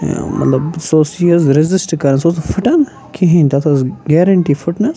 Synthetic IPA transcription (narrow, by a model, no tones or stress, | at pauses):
mɐ̰t̪lɐbsoːsiɐzɾɪzɪsʈkɐɾɐnsoːsfʊʈɐn | kʰiɦĩnt̪ʰɐt̪ʰɐzɡeːɾɐɳʈifʊʈnɐs